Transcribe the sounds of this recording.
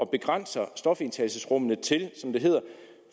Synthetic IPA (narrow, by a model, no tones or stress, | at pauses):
ɒ̽b̥e̝ɡ̥ʁɑn̰sɐsd̥ɒ̽fe̝nt͡sʰælsəsʁɔ̽m̰ənət͡sʰe̝lsɒ̽md̥e̝ɦe̝ð̰ˠɐ